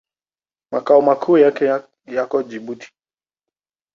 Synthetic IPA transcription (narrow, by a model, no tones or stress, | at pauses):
makaumakʰuːjakɛ | jakɔd͡ʒiɓuti̥